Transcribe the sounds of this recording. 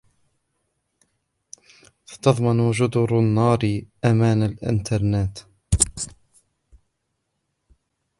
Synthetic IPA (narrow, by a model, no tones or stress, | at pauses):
sɑ̥t̪ɑðˤmɑnd͡ʒʊd̪ʊɾanːɑːɾʔamaːnalʔɪ̰nt̪ʰɑɾˤnaːt̪